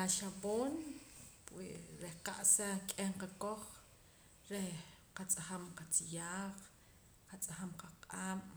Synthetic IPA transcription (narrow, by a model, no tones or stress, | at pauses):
aʃaɓoːnpwḭʔɾehqaʔsakʼeɴqakoχ | ɾehqat͡sʼaχamqat͡sijaːχ | qat͡sʼaχamqaqʼaːm